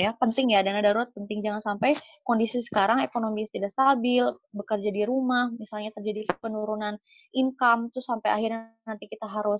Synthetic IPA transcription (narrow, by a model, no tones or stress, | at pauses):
japənt̪ɪŋjadanadaɾuɾat̪̚pənt̪ɪŋd͡ʒaŋansampaj | kondisisə̥kaɾaŋekonomist̪idaʔst̪abɪlbəkərd͡ʒadiɾumahmisalɲat̪ərd͡ʒadipənuɾunan | ʔiŋkamt̪ʊsampajahirɲanant̪ikit̪aɦaɾʊ